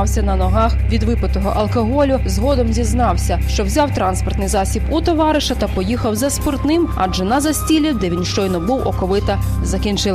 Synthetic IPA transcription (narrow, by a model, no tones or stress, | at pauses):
wsʲɐnɐnɔɦɑxʋʲid̪ʋɪpɪt̪ɔɦɔʔɐlˠkɔɦɔlʲʊzɦɔd̪ɔmzʲiznɑwsʲɐʃt͡ʃɔwzʲɑwt̪ɾɑnspɔrt̪nɪjzɑsʲibut̪ɔʋɑɾɪʃɐt̪ɐpɔjixɐwzɐspɔrt̪nɪmɑ̰d͡ʒɛnɐzɐsʲtʲilʲid̪ɛʋʲinʃt͡ʃɔjnɔbuwɔkɔʋɪt̪ɐ | zɐkʲint͡ʃɪlˠ